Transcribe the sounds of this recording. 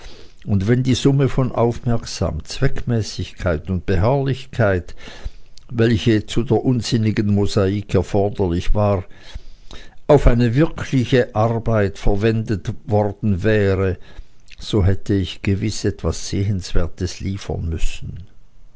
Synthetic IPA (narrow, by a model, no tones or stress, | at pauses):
ʊntvɛndiːzʊməfɔnʔa̰ʊfmɛɐksa̰ːmt͡sv̥ɛkmɛːsɪçkʰaɪtʊnt̚b̥əɦaɐlɪçkʰaɪt | vɛlçət͡sudeːɐʔʊnzɪnɪɡənmozaiːkʰɛɐfɔɐdɐlɪçv̥aːʁ | aʊfaɪnəvɪʁkʰlɪçəʔaʁbaɪtfɛɐvɛndətvɔʁdn̩vɛːʁə | z̥oːɦɛtʰəɪçɡ̥əvɪsʔɛtv̥asz̥eːənsv̥eːɐtəsliːfə̰nmʏsn̩